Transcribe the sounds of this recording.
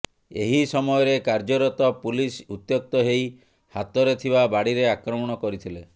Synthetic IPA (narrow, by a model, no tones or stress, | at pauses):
ḛɦisɔmɔjɔɾekaɾd͡ʒɔɾɔt̪ɔpulisut̪jok̚t̪ɔɦej | hat̪ɔɾet̪ʰibabaɽiɾeakɾɔmɔɽ̃ɔkɔɾit̪ʰile